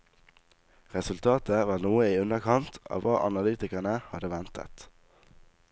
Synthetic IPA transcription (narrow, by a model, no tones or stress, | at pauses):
ʁɛsʉlt̪ʰɑːt̪ʰəʋɑːnuːəiːʉnəkʰɑnt̪ʰɑ̰ːʋɑːʔɑnɑlyːt̪ɪkənəhɑd̪əʋɛnt̪ʰə̰t̪